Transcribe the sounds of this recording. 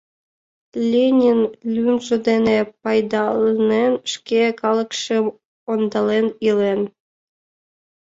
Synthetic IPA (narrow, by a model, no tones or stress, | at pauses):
lʲenʲinlʲymʒĕd̪enepɑjd̪ɑlnenʃkʲekɑlˠɤ̆kʃem | ond̪ɑlenilen